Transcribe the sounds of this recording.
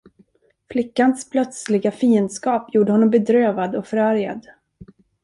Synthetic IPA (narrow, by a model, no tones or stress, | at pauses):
flɪkːanspʰlœt̪slɪɡafiːənd̪skɑːpjuːɖəhɔnːɔmbɛd̪ɾøːvad̪ɔkfœɾæɾja̰d̪